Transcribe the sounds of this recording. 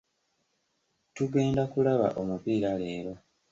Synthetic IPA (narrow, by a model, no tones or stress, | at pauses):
tuɡe̞ːndakulaβa̰ʔomupiːɾaleːβa